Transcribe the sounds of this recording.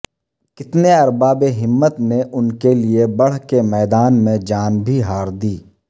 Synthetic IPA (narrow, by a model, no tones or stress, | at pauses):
kɪt̪neɐɾbaːbeɦɪmːət̪neʔʊnkeliebɐɽ̤kemɛːd̪aːnmẽd͡ʒaːnbʱiɦaːɾd̪iː